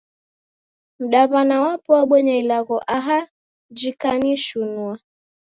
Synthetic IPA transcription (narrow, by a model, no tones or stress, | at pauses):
m̩ɗaβanawapɔaɓɔɲailaɣɔʔaɦa | d͡ʒikaniʃunua